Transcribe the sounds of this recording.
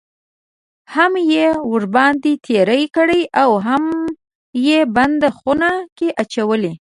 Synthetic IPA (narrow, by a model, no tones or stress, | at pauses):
hamjeʊɾbɑnd̪it̪ʰeɾəjkəɽəjʔawɦam | jeband̪əxunakeʔat͡ʃawəli